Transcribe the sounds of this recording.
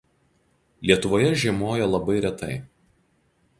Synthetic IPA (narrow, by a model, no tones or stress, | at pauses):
lʲiɛt̪ʊʋoːjɛʒʲiɛmoːjɛlˠɐbɐɪɾʲɛt̪ɐɪ